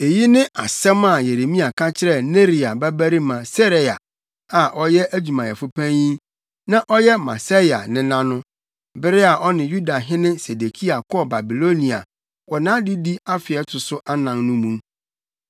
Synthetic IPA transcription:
e˨ji˦nɪ̃˦ʔa̰˨sɛ̃˦ma˨je˨ɾe˨mĩ˦a˨kʰã˦t͡ɕʰɪ˦ɾɛ˦˨ne˦ɾi˨a˨bæ˦bæ˦ɾi˦mã˨sɛ˦ɾe˨a˨ | a˨ʔɔ˦jɛ˦ʔæ˦d͡ʑᶣu˨mã˨ɛ˨fʊ˦pʰæ̃˦jĩ˦ | nã˦ʔɔ˦jɛ˦ma̰˨sa˦i˨a̰˨nɪ̃˨˦nã˦nʊ̃˦ | bɪ˦ɾɪ˦a˨ʔɔ˦nɪ̃˨ju˦da˨ɦɪ̃˦nɪ̃˦se˨de˨kʰi˦a˨kʰɔ˦ba˨bi˨lo˦nĩ˨a̰˨ | wɔ˨nãː˦di˦di˦a˦fɪ˨ɛ˦tʰʊ˨sʊ˦ʔa˦nã˨nnʊ̃˦mũ˦m

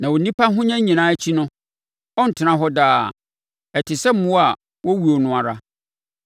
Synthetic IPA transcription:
nã˨wɔ˨nĩ˦pʰa˦ɦʊ̃˦ɲã˦ɲĩ˨nãː˦t͡ɕʰi˦nʊ̃˦ | ɔ˦n̩˨tʰɪ˨nã˦ɦɔ˦daː˨ | ɛ˨tʰɪ˨sɛ˦m̩˦mʊ̃˦a˨ | wɔ˦wu˨o˨nʊ̃˦˨a˨ɾa˦

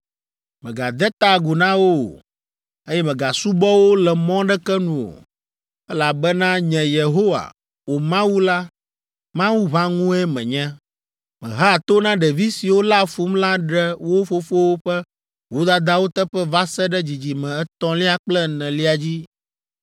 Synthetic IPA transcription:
mɛ̃˨ɡa˨d̪ɛ˦t̪a˨ɡu˨nã˦wo˦o̰˨ | e˦jɛ˦mɛ̃˨ɡa˨su˦bɔ˦wo˦lɛ˨mɔ̃˦ɖɛ˦kɛ˦nũ˨wo̰˨ | ɛ˦la˨bɛ˦nã˦ɲɛ̃˨je˨ɦo˦wa̰˨ | wo˨mã˦wu˦la˦ | mã˦wu˦βa˦ŋũ˦ɛ˦mɛ̰̃˨ɲɛ̃˦ | mɛ̰̃˨ɦa˦˨t̪o˦nã˦ɖɛ˨vi˦si˨wo˦la˦fu˦mla˦ɖɛ˦wo˦fo˦fo˦wo˦ɸɛ˦ | wo˦d̪a˦d̪a˦wo˦t̪ɛ˦ɸɛ˦va˦sɛ˦ɖɛ˦d͡ʑi˨d͡ʑi˨mɛ̃˨ɛ˦t̪ɔ̃˦li˦a˦k͡plɛ˦nɛ̃˨li˦a˨d͡ʑi˦

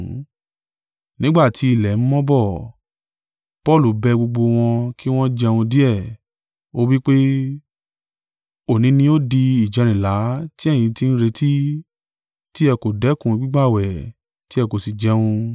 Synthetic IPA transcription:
nĩ˦ɡ͡ba˦˨ti˨˦i˦˨lɛ˨m̩˦mɔ̃˦bɔ˦˨ | pɔ˦˨lu˨bɛ˧ɡ͡bo˧ɡ͡bo˧w̃ɔ̃˧ki˦w̃ɔ̃˦d͡ʒɛ˧wũ˧di˦ɛ˦˨ | o˦wi˦k͡pe˦ | o˦˨nĩ˨˦nĩ˧˦o˦di˧i˨d͡ʒɛ˨˧ɾ̃ĩ˨la˨˦ti˦ɛ̃˦˨ĩ˧ti˧n̩˦ɾe˧ti˦ | ti˦ɛ˧ko˨dɛ˨˦kũ˧i˧ɡ͡bi˦ɡ͡ba˦˨wɛ˨ | ti˦ɛ˧ko˨si˨d͡ʒɛ˧wũ˧

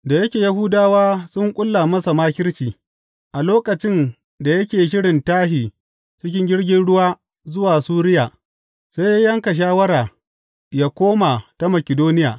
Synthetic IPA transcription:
da˨jɐ˦kʲeː˨ja˦ɦʊ˦daː˦waː˦sʊ˦ŋkʷʼʊ˦lːa˨mɐ˦sa˨maː˦kʲɪ˦ɽt͡ʃiː˨ | ʔa˨loː˦kɐ˨t͡ʃɪ˦n | da˨jɐ˦kʲeː˨ʃ̬ɪ˦ɽɪ˨ntaː˦ɦiː˨ | t͡ʃɪ˦k̬ʲɪ˦ŋɡʲɪ˦ɽɡʲɪ˦nɽʊ˦waː˦ | zʊ˦waː˨suː˦ɾɪ˦jaː˨ | sa˦jjɐ˦ŋka˨ʃ̬aː˦wɐ˦ɾaː˨ | jaː˦kʷoː˦ma˨ta˦mɐ˨kʲɪ˨doː˦nɪ˦jaː˨

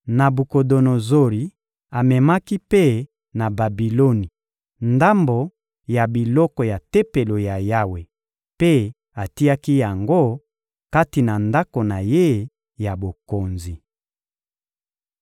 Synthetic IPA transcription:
na˨bu˨ko˨do˨no˨zo˦li˨ | a˨mɛ˨ma˦ki˦pe˦ | na˨ba˨bi˨lo˦ni˨ | nda˦mbo˨ | ja˨bi˨lɔ˦kɔ˨ja˨te˦pe˨lo˨ja˨ja˦we˨ | pe˦ | a˨ti˦a˦ki˦ja˨ŋɡo˦˨ | ka˦ti˨na˨nda˦ko˨na˨je˦ | ja˨bo˨ko˨nzi˨

